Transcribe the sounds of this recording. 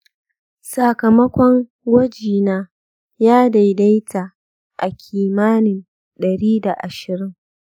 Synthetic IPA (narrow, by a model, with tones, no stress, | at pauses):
sa˨kɐ˨mɐ˦kʷɔ˦ŋ | wɐ˦d͡ʒiː˨naː˦ | jaː˦da˨jda˦jtʰaː˨ | ʔa˨kʲʰiː˨maː˦nɪ˨n | ɗɐ˨ɽiː˦da˨ʔa˨ʃɪ˨ɾɪ˦ŋ